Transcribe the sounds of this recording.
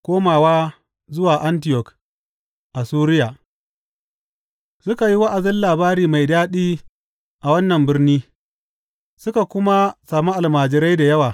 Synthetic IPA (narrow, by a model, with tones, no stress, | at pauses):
kʷoː˦maː˨waː˦ | zʊ˦waː˨ʔa˦ntɪ˦jɔ˨k | ʔa˨suː˦ɾɪ˦jaː˨ | sʊ˦ka˨ji˦wɐ˦ʔa˨zɪ˦nlaː˨baː˦ɾiː˨ma˨jdaː˦ɗiː˦ | ʔa˨wɐ˦nːɐ˨mbɪ˦rniː˦ | sʊ˦ka˨kʷʊ˦ma˦saː˨mu˦ʔa˨lmaː˨d͡ʒɪ˨ɾa˦jda˨jɐ˦waː˨